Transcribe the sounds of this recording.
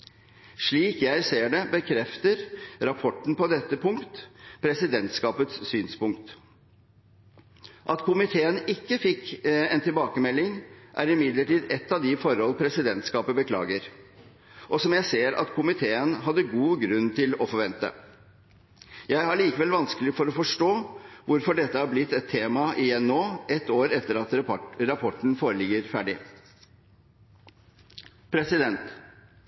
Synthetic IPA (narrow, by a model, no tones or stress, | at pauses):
ʂɭiːkjæɪseːɖɛbəkʰɾɛft̪əɾɾɑpʰɔʈːn̩pɔd̪ɛt̪ːəpʰʊŋkt̪pʰɾɛsɪd̪ɛnt̪skɑːpət̪sːyːnspʊŋkt̪ | ʔɑt̪kʰʊmɪt̪ʰeːənɪkːəfɪkːɛnt̪ɪlbɑːkəmɛlːɪŋʔæɾɪmɪd̪ləʈiːd̪ɛt̪ːɑʋd̪ɪfɔɾhɔlpʰɾɛsɪd̪ɛnt̪skɑːpəbəkʰlɑ̰ːɡəɾ | ʔɔsɔmjæɪseːɾɑ̰t̪kʰʊmɪt̪ʰeːənɦɑd̪ːəɡuːɡɾʉnːt̪ʰɪlɔfɔɾʋɛnt̪ə̰ | jæɪɦæɭiːkəʋɛlʋɑnskəlɪfɔɾɔfɔʂʈoːʋʊɾfɔɖɛt̪ːəhɑɾblɪt̪ːɛt̪ʰːeːmɑʔɪjɛnːoːɛt̪ːoːɾɛt̪ːəɾɑt̪ɾɑpʰɔʈɳ̩foːɾəlɪɡːəɾfæɖɪ | pʰɾɛsɪd̪ɛnt̪